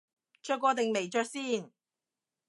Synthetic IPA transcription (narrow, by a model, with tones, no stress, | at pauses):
t͡ʃœː˧kʷːɔː˧t̪ɪ˨ŋme˨˩jt͡ʃœː˧k̚siː˥˩n